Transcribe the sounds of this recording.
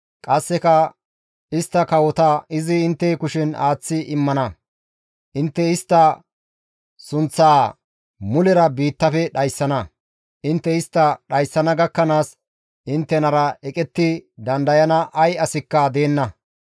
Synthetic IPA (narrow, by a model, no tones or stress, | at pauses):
kʼɐsːɛkɐ | ɪst̪ːɐkɐwɔt̪ɐɪzɪɪnt̪ːɛkʊʃɪnaːt͡sːɪʔɪmːɐnɐ | ʔɪnt̪ːɛɪst̪ːɐ | sʊnt͡sːaː | mʊlɛɾɐbiːt̪ːɐfɛɗɐjsːɐnɐ | ʔɪnt̪ːɛɪst̪ːɐɗɐjsːɐnɐɡɐkːɐnaːs | ʔɪnt̪ːɛnɐɾɐɛkʼɛt̪ːɪd̪ɐnd̪ɐjɐnɐʔɐjɐsɪkːɐd̪e̞ːnːɐ